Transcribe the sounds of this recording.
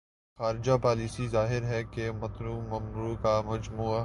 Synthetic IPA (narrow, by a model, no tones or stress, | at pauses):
xaːɾɪd͡ʒapaːliːsizaːɦɪɾɦɛkemɐt̪ɾuːmɐmɾuːkamɐd͡ʒmuːa